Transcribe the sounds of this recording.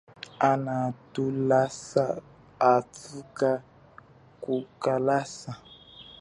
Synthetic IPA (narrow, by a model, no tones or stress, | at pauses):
anatulasa | atuka | kukalasa